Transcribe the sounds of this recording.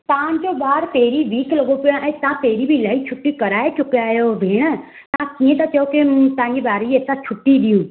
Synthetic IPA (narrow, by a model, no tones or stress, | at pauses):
t̪ɐãɲd͡ʑoɓaːɾt̪eːɾiʋiːkʰlɐɡopijãʔɛ̃ːt̪ɐãt̪eːɾibʱilaːit͡ɕʰʊʈːikɐɾaːet͡ɕʊkijaːjoʋʱeːɽ̃ə | t̪ɐãkiːẽt̪ɐt͡ɕɐjoket̪ɐ̤ãɲd͡ʑebaːɾeeːsãt͡ɕʰʊʈːiɗijũː